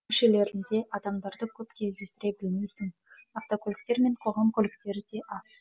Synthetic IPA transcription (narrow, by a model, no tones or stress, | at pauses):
ʏʃe̞le̞ɾɪnd̪e̞ʔɑd̪ɑmd̪ɑɾd̪əkʲʰɵp̚kʲʰe̞zd̪e̞st̪ɪɾe̞bɪlmejsɪŋ | ɑft̪okʲʰɵlɪk̚t̪e̞ɾme̞ɴqʰo̞ʁɑmkʲʰɵlɪkt̪e̞ɾɪd̪e̞ʔɑs